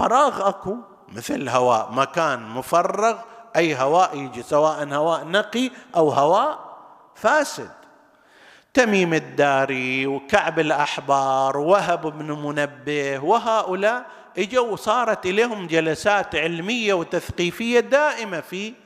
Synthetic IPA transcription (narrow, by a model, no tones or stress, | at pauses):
fɑ̰ɾˤɑːɣʔaku | mɪθlɦawa̰ːʔmakaːnmʊfɑrˤːɑɣʔajːɦawaːʔjɪd͡ʒisawaːʔanhawaːʔnaqiʔawhawaːʔ | faːsɪd̪̚ | t̪amiːmɪd̪ːaːɾiwkaʕbɪlʔaħbɑːɾˤwwaɦabɪbnmʊnabːɪhwɪɦaːʔʊlaːʔ | ʔɪd͡ʒawsˤɑːɾˤɑt̪ʔɪleːɦʊmd͡ʒalasaːt̪ʕɪlmɪjːawt̪aθqiːfɪjːad̪aːʔɪmafi